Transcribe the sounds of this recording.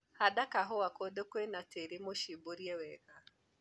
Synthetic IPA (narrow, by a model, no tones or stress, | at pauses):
hadakaɦɔwakodokwenateɾemoʃiboɾjɛwɛɣa